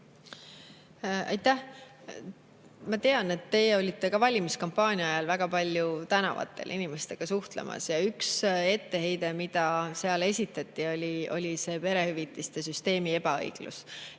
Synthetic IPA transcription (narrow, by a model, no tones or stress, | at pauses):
ɑ̰jt̪ːæh | mɑt̪eɑne̞t̪ːe̞ːjeo̞lʲit̪ːe̞kɑvɑlʲimiskompːˑɑːnʲiɑɑjɑlvæɡɑpɑlʲjut̪ænɑ̰vɑ̰t̪ːˑe̞̰lʔinime̞st̪e̞ɡ̥ɑsuht̪lḛmʔɑ̰sjɑykse̞t̪ːe̞ɦe̞jd̪e̞mid̪ɑse̞ɑle̞sʲit̪ːˑɑt̪ˑːio̞lʲio̞̰lʲise̞ːpe̞ɾe̞hyvit̪ːˑist̪e̞syst̪e̞ːmie̞pɑɤ̰jɡ̥lṵs